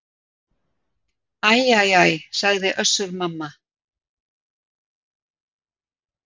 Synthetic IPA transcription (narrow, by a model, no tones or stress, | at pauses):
ajajajsaɣðɪʔœsːʏɾmamːa